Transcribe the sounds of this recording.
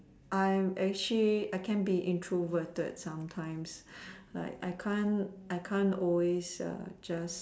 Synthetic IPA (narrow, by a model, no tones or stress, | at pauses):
ʔaɪmɛk̚t͡ʃəliaɪkʰɛ̃nbiʔĩntʰɹovətə̰dsãmtʰãɪ̃msla̰ɪka̰ɪkʰãnʔaɪkʰãnɔlwesʌ̰d͡ʒas